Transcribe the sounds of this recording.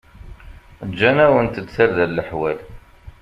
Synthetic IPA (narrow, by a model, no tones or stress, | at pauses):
d͡ʒːænæwənt̪əd̪θæɾðælːəħwæl